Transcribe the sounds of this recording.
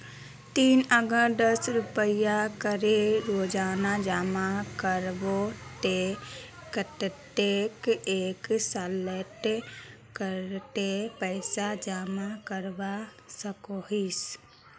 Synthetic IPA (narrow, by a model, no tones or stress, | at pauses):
t̪iːnəɡəd̪əsɾʊpəɪjakəɾeɾoːd͡ʒaːnad͡ʒaːmakəɾbot̪e | kət̪t̪eːkeːksaleʈ | kəɾt̪epəɪsad͡ʒaːmakəɾba | səkoɦis